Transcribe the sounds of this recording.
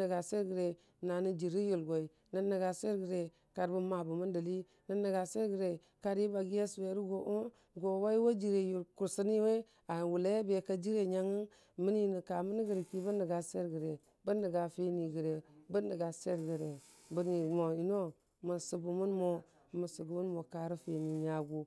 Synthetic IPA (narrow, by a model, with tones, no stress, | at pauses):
ə˨ɡa˨se˦ɾɡə˨ɾe˨ | na˨ni˦d͡ʒi˨ɾi˦ju˨lɡo˨i˨ | nə˦nːə˨ɡa˨se˦ɾɡə˨ɾe˨ | ka˨ɾbu˦ma˨bu˨mu˦ndə˨li˦ | nə˦ni˨ɡa˨se˦ɾɡə˨ɾe˨ | ka˦ɾi˦ba˨ɡi˦je˦swe˨˦ɾi˦ɡo˨ʔu˦ | ɡo˨wa˦i˦wo˦d͡ʒi˨ɾe˨ju˨lku˨ɾsi˦ni˦we˦ | a˨wu˨le˦be˨ka˦d͡ʒi˦ɾe˨ɲa˦ŋi˦n | mi˦ni˦ni˨ka˨mə˦ni˦ɡə˨ɾi˨ki˦bə˦nːə˨ɡa˨se˦ɾɡə˨ɾe˨ | bə˦nːə˨ɡa˨fe˦ni˨ɡə˨ɾe˨bə˦nːə˨ɡa˨se˦ɾɡə˨ɾe˨ | bə˦ni˨mo˨i˨no˦ | mə˨su˨bu˨mu˦nmo˨ | mu˨su˨ɡu˨mu˦nmo˨ka˨ɾu˦fe˨ni˨ɲa˨ɡu˦